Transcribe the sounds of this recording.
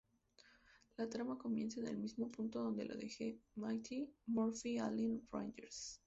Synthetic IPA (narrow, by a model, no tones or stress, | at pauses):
lat̪ɾamako̞mje̞nsanḛlmizmo̞punt̪o̞ðo̞nd̪e̞lʔo̰ðexe̞majt̪ʰimoɾfialinfɹa̰jnd͡ʒeɾs